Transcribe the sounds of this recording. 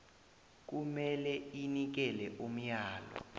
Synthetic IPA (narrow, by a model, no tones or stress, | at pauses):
k̬umɛlɛinik̬ɛlɛʔum̩jaːlɔ̰